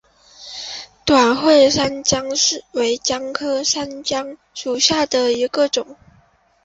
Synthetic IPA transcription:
t̪wa˨˩nxwe˥˧ɪʂa˥nt͡ɕjɑ˥ŋʂɻ̩˥˩we˧˥ɪt͡ɕjɑ˥ŋkʰɤ˥ʂa˥nt͡ɕjɑ˥ŋ | ʂu˨˩ɕja˥˩d̪ə˩i˧˥ɡə˧ʈ͡ʂʊ˨˩˦ŋ

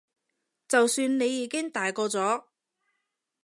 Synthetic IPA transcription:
t͡sɐ˨wsyː˧nne˨˧jːiː˨˥kɪ˥ŋt̪aː˨jkɔː˧t͡sɔː˨˥

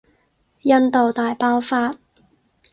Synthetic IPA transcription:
jɐ˥nt̪o˨wt̪aː˨jpaː˥wfaː˧t̚

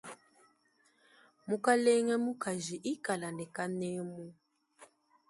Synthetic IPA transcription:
mu˦ka˦lɛ˦ŋɛ˦mu˦ka˨ʒi˨ʔi˦ka˨la˨nɛ˨ka˦nɛ˦mu˦

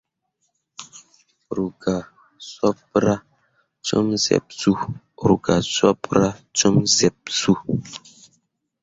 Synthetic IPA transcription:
ɾu˨ɡa˨ | sɔ˦pɾa˦ | t͡ʃo˦mzɛ̰˨p̚su˦˨ | ɾu˨ɡa˨sɔ˦pɾa˦t͡ʃo˦mzɛ˨p̚su˦

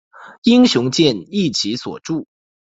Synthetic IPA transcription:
i˥ŋɕjʊ˧˥ŋt͡ɕjɛ˥˧ni˥˩t͡ɕʰi˧˥swɔ̰˨˩ʈ͡ʂu˥˩

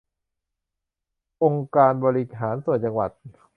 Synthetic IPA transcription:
ʔo˧ŋkaː˧nbɔː˧ɾi˦˧ɦaː˩˦nsu˨˩ənt͡ɕa˧ŋwa̰˨˩t̪̚

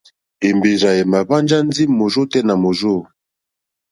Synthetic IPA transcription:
e˨mbe˨za˨je˨ma˨βa˦nd͡ʒa˦nzi˦˨mo˨ʒo˦tɛ˦na˨mo˨zo˦˨

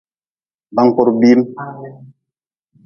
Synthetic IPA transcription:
ba˨˦ŋ˨ko˨ɾbi˦m

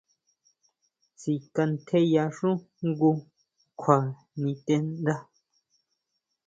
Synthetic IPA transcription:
t͡si˨ka˧n̩˦t̪ʰe˦ja˧ʂũ˦ | ŋ˦ɡu˧ | kʰwa˨ | nĩ˧t̪e˧n˦d̪a˦

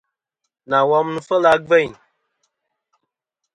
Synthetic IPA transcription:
na˨wɔ˦m˦nu˦fə˦la˧ɡ͡bɛ˦˨ɲ

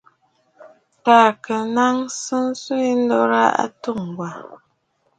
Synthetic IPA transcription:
taː˨kə˨na˦ŋsɨ˦n˦su˦i˦n̩˦dɔ˦ɾa˦ʔa̰˦tu˦˨ŋ˨ɡwa˨

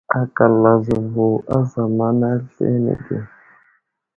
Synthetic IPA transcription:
a˨ka˨la˨zɪ˨vo˨ʔa̰˦za˨ma˦na˦ɬḛ˦nɛ̰˨ɡḛ˨

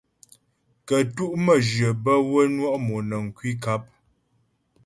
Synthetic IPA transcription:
kə˨tu˦ʔmə˨d͡ʒɰə˨bə˦wə˦nwɔ˦ʔmo˨nə˨ŋ̩˨kwi˦k̬a˦p̚

